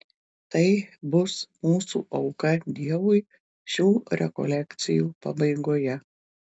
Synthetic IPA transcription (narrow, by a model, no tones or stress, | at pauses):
t̪ɐɪbʊsmuːsṵːʔɐʊkɐd̪ʲiɛʋʊɪ | ʃʲuːɾʲʔɛ̰kɔ̰lʲɛkt̪sʲɪjuːpɐ̰bɐɪɡoːjɛ